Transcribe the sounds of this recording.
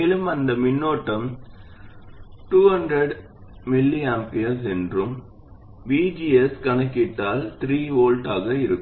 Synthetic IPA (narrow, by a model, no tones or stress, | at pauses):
eːlɯmɐnd̪ɐmɪnːoːʈːɐm | ʈuːhɐndɾɐɽ | mɪlːiampɪjɐɾsɛndrɯm | ʋiːd͡ʒiːɛskɐnɐkːɪʈːaːlt̪ɪɾiːoːlʈaːɣɐɪɾɯkːɯ